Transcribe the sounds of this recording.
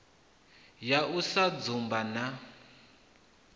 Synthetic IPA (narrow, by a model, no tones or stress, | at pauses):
jausad͡zumbana